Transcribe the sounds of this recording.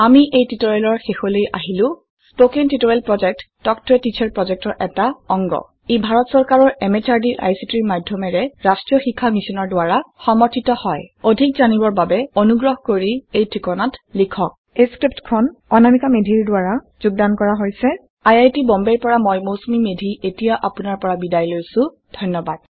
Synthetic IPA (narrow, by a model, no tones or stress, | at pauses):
amiʔejtitoɹelɔɹxexolojʔa̰ɦilʊ̃ | spokintitoɹɛlpɹɔd͡ʒɛk̚tːɔktʰʊɛtit͡ʃʰɛɹpɹɔzɛk̚tɔɹʔɛtaɔŋɡɔ̰ | ebʱaɹɔtsɔɹkaɹɔɹɛmɛt͡ʃaɹdiʔa̰jsitiɹmadʱjɔmɛɹɛɹastɹijɔxikʰːamisinɔɹdʊwaɹaxɔmɔɹtʰitɔhɔjodʱikzanibɔɹbabɛonuɡɹɔɦkoɹiejtʰɹikɔnatlikʰɔk̚ | eskɹip̚tkʰɔnɔnamikamedʱiɹdʊaɹa | zuɡ̚dankɔɹaɦojsɛ | ajajtibɔmbɛɹpɔɹamɔjmowsomimedʱietijaʔapunaɹpɔɹabidajlojsʊ̃ | dʱɔjnːɔbad̥̚